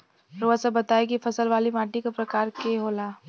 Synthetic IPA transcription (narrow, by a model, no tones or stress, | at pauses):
ɾoəsəbɐt̪aːekifɐsəlʋaːlimaːʈikapɾɐkaːɾkeɦoːlaː